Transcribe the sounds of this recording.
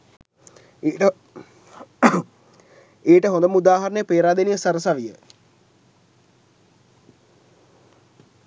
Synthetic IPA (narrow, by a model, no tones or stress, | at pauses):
eːʈəɦond̪əmud̪aːɦaɾənəjəpeːɾaːd̪enijəsɐɾəsaʋijə